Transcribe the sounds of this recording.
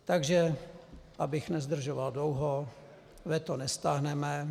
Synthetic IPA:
t̪aɡʒɛ | ʔabɪxnɛzd̪r̩ʒovaldlowɦo | vɛt̪onɛst̪aɦnɛmɛ

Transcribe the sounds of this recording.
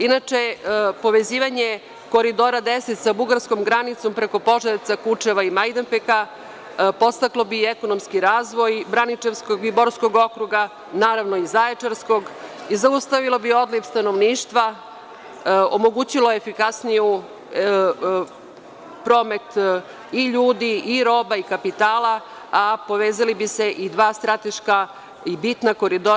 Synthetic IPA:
inat͡ʃepo̞ʋe̞ziːʋaɲe̞ | ko̞ɾid̪o̞ːɾad̪eset̪sabuɡaɾsko̞mɡɾanit̪so̞mpɾe̞ko̞po̞ʒeɾit̪sakut͡ʂeʋaimajd̪empeka | po̞st̪aklo̞bieko̞no̞mskiɾaːzʋo̞jbɾanit͡ʃe̞ʋskoɡiboɾsko̞ɡokɾuɡa | naːɾaʋno̞izaet͡ʂeɾsko̞ɡizaust̪aʋilo̞bio̞d̪lifst̪ano̞ʋniːʃt̪ʋa | omo̞ɡut͡ɕilojefikasniju | pɾo̞ːme̞t̪ | iʎuːd̪iiɾo̞ːbaikapit̪aːla | apo̞ʋeːzalibise̞ʔid̪ʋaːst̪ɾat̪e̞ʃka | ibit̪nako̞ɾid̪o

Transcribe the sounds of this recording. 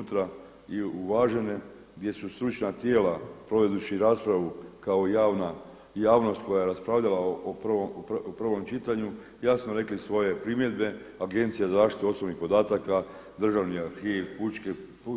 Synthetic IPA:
t̪ɾa | iuʋaːʒe̞ne̞ | ɡd̪je̞sust̪ɾut͡ʃnat̪je̞ːlapɾo̞ʋe̞d̪ut͡ɕiɾaːspɾaʋukao̞jaːʋna | jaːʋno̞st̪̚ko̞jaje̞ɾaspɾaʋʎalaopʋopr̩ʋo̞mt͡ʃit̪aɲu | jasnoɾe̞klisʋo̞je̞pɾimje̞d̪be̞ | aɡe̞nt̪sijazaaːʃt̪it̪uo̞snoʋnixpo̞d̪aːt̪aka | d̪r̩ʒaʋniaɾxiːʋput͡ʃke | p

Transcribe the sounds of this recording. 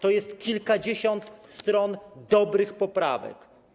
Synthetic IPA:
t̪ɔjɛst̪kʲilkad͡ʑeɕɔnt̪st̪ɾɔnd̪ɔbɾɘxpɔpɾa̰vɛ̰k

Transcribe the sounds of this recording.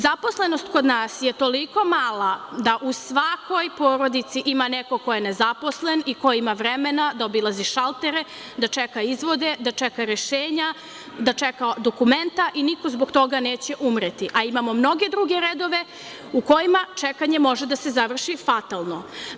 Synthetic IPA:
zapo̞sle̞nost̪ko̞d̪naːsjet̪o̞liko̞maːlˠad̪aʔusʋakʰojpoːɾo̞d̪it̪siʔimaneko̞ko̞je̞nezapo̞sle̞nikoimaʋɾemenad̪aobilˠaziʃalˠt̪eɾe̞ | d̪at͡ʃekaizʋo̞d̪e̞d̪at͡ʃekaɾeʃeːɲa | d̪at͡ʃekad̪okument̪aʔiniko̞zboɡt̪o̞ɡaneːt͡ɕe̞ʔumɾet̪iʔaimamo̞mno̞ɡe̞d̪ɾuɡeɾed̪o̞ʋe̞ | uko̞jimat͡ʃekaɲe̞mo̞ʒe̞d̪ase̞zaʋr̩ʃifat̪alˠno̞

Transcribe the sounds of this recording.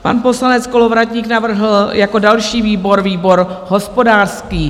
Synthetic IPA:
pa̰npo̞slanɛt͡sko̞lo̞vɾatɲiːknavr̩ɦl̩jako̞dalʃiːviːbo̞ɾviːbo̞ɾɦo̞spo̞daːrskiː

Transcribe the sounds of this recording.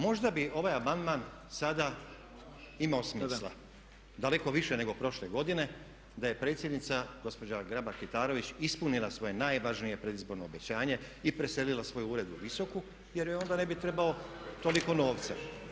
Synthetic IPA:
mo̞ʒd̪abiʔo̞ʋajamand̪maːn | sad̪a | imaosmiːslˠa̰ | d̪ale̞ko̞ʋiʃene̞ɡo̞pɾo̞ʃle̞ɡo̞d̪ine̞ | d̪aje̞pɾe̞t̪sjed̪nit̪saɡ̥o̞spo̞d͡ʑaɡɾabaɾkit̪aːɾo̞ʋit͡ɕispunilˠasʋo̞je̞naːjʋaʒnije̞pɾe̞d̪izbo̞ɾnoːbet͡ɕaːɲe̞ | ipɾe̞se̞lilasʋo̞juuːɾe̞d̪uʋiso̞ku | je̞ɾjeo̞nd̪ane̞bit̪ɾe̞bao̞ | t̪o̞liko̞no̞ːʋt̪sa

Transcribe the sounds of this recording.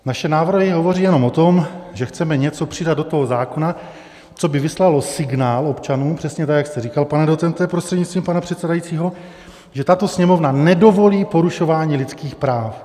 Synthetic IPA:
naʃɛnaːvr̩ɦɪɦo̞vo̞riːjɛno̞mot̪o̞mʒɛxt͡sɛmɛɲɛt͡so̞pr̝̥ɪdad̪dot̪o̞ɦo̞zaːko̞na | t͡so̞bɪvɪslalo̞sɪɡnaːlo̞pt͡ʃanuːmpr̝̥ɛsɲɛt̪akjakst̪ɛɾikalpanɛdot͡sɛnt̪ɛpɾost̪r̥ɛdɲitt͡st̪viːmpanapr̝̥ɛt̪sɛdajit͡siːɦo̞ | ʒɛt̪at̪o̞sɲɛmo̞vnanɛdo̞vo̞liːpo̞ɾuʃo̞vaːɲiːlɪtt͡skiːxpɾaːf

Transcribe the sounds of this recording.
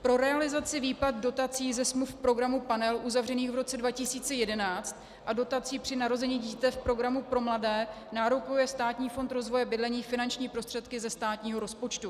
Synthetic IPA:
pɾo̞ɾɛalɪzat͡sɪviːpat̪̚do̞t̪at͡siːzɛsmlufpɾo̞ɡɾamupanɛlʔuzavr̝ɛniːxvɾo̞t͡sɛdvacɪsiːt͡sɛjɛdɛnaːt͡st̪ | ʔado̞t̪at͡siːpr̝̥ɪnaɾo̞zɛɲiːɟiːt̪ɛfpɾo̞ɡɾamupɾo̞mladɛː | naːɾokujɛst̪aːt̪ɲiːfo̞nt̪ɾo̞zvo̞jɛbɪdlɛɲiːfɪnant͡ʃɲiːpɾo̞st̪r̝̥ɛt̪kɪzɛst̪aːt̪ɲiːɦo̞ɾo̞spo̞t͡ʃt̪u

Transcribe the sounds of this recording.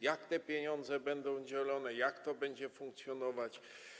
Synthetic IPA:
jakt̪ɛpʲjeɲɔnd̪zɛbɛnd̪ɔ̃w̃d͡ʑɛlɔnɛjakt̪ɔbɛɲd͡ʑɛfuŋkt̪sʲjɔnɔvat͡ɕ

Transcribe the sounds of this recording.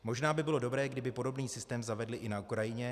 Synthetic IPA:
mo̞ʒnaːbɪbɪlo̞do̞bɾɛːɡdɪbɪpo̞do̞bniːsɪst̪ɛːmzavɛdlɪʔɪnaukɾajɪɲɛ

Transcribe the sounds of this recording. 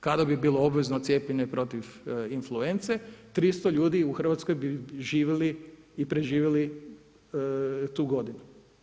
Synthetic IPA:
kad̪abibiːlˠoobʋeznot̪sje̞ːpʎeɲepɾo̞t̪iʋinflˠuent̪set̪ɾist̪oʎuːd̪iuxər̩ʋat̪sko̞jbiʒiːʋiliipɾeʒiːʋjeli | t̪uːɡo̞d̪inu

